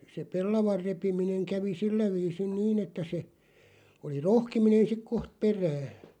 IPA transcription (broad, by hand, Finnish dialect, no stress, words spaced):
se pelːɑʋɑr repimineŋ kæʋi silːæ ʋiːsin niːn etːæ se oli rohkiminen sik koht peræːh̆